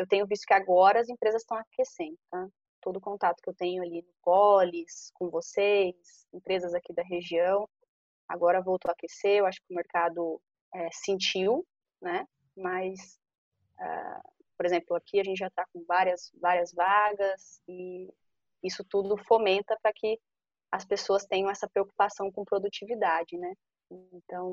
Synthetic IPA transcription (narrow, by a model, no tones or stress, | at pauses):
ewt̪ẽɲ̃ʊvist̪ʊ̥kɪaɡɔɾɐɐzẽpɾezɐst̪ɐ̃w̃akesẽnd̪ʊt̪ã | t̪od̪ʊːkõt̪at̪ʊ̥kɪewt̪ẽɲʊalinʊkɔlɪskõvosejs | ẽpɾezɐzakid̪ɐɦeʒiɐ̃w̃ | a̰ɡɔɾɐvowt̪akeseewaʃʊ̥kɪʊmeɾkad̪ʊ | ɛsĩnt͡ʃiw | nɛ | mɐs | a̰ | poɾezẽmplʊakʰiaɐʒẽnt͡ʃɪʒat̪akõvaɾiɐsvaɾiɐzvaɡɐsɪ | isʊt̪ud̪ʊfomẽnt̪ɐpɾɐkʰɪ | ɐspesoɐst̪ẽj̃ɲɐ̃w̃ɛsɐpɾeoku̥pasɐ̃w̃kõpɾod̪ut͡ʃivid̪ad͡ʒɪnɛ | ẽt̪ɐ̃w̃